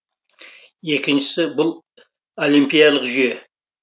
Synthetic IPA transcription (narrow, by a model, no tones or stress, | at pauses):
e̞kʲɪnʃɪ̥sɪbʊlˠ | o̞limpijɑlˠəqʒʏje̞